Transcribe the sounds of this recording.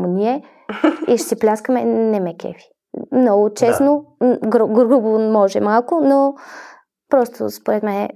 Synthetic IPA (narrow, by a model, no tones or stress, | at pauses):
moniɛ | iʃsiplʲaskəmɛnɛmɛkɛ̰fi̥ | mnɔɡʊt͡ʃɛsnoɡɾɡɾubomɔʒɛmalˠkʊno | pɾɔst̪o̰spoɾɛt̪mɛnɛ